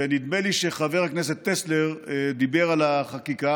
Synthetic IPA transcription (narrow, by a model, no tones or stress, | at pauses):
enid̪meliʃeχave̞ʁhaknese̞t̪ːesle̞ʁd̪ibe̞ʁalaχakika